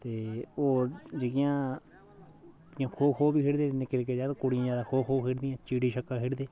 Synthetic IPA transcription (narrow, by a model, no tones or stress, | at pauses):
t̪eod͡ʒik̬iã | ɲãhohoβiheɾd̪enẽkeɾeked͡ʒad̪kuɽĩjãd̪ahohoɦeɾd̪ĩãt͡ʃiɽiʃakaɦeɾd̪e